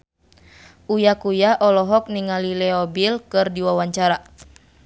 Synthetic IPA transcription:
ʔujakujaʔɔlɔɦɔk̚niŋalilɛɔbilkɨrdiwawaɲt͡ʃaɾa

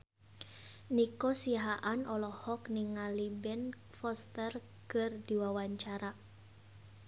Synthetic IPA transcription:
nikɔsiaɦaʔanɔlɔhɔkniŋalibɛn | fɔst̪ər | kɨrdiwawaɲt͡ʃaɾa

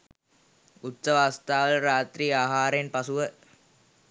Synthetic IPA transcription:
ut̪səʋaast̪aːʋələɾaːt̪ɾiːaːɦaːɾenpasuʋə

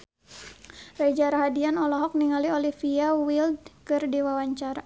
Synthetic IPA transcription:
rad͡ʒaɾaɦadianɔlɔɦɔk̚niŋaliolifiawild̚kɨrdiwawaɲt͡ʃaɾa

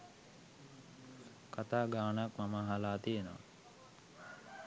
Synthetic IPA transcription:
kat̪aːɡaːnəakmamaɦalaːt̪ijenoʋa̰

